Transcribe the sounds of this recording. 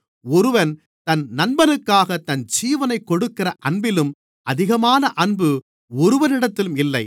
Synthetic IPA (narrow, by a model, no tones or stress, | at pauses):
ɔɾɯʋɐn | t̪ɐnnɐnbɐnɯkːaːɣɐt̪ːɐnd͡ʒiːʋɐnɐɪkːɔɽɯkːɪrɐʔɐɳbɪlɯm | ɐðɪɣɐmaːnɐʔɐnbɯ | ɔɾɯʋɐnɪɽɐt̪ːɪlɯmɪlːɐɪ